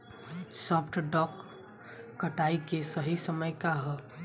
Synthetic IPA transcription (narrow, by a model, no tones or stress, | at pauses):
sɔːpʰʈɖɔːkː | əʈaːikesəɦisəməjkaɦɛ